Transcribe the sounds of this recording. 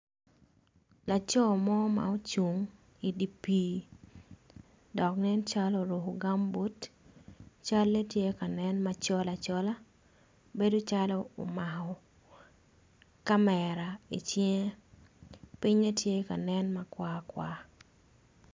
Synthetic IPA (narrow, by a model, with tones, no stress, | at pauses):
la˨t͡ʃɔ˦mɔ˦ma̰˨o˦t͡ʃu˨ŋ | i˨di˨pi˦ | dɔ˨knɛ˦nt͡ʃa˦lo˨ɾo˨ɦo˨ɡa˦mbo˦t | t͡ʃa˦lːe˦tje˦ka˨nɛ˦nma˨t͡ʃɔ˦la˨t͡ʃɔ˦la˦ | be˦do˦t͡ʃa˦lɔ˦o̰˨ma˨hɔ˨ | ka˦mɛ˨ɾa˨ḭ˨t͡ʃj | pi˦ɲe˦tje˦ka˨nɛ˦nma˨kwa˦kwa˨